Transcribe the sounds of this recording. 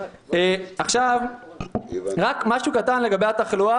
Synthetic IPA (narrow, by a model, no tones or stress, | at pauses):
eaχʃav | ʁakmaʃukat̪anle̞ɡabejat̪aχlua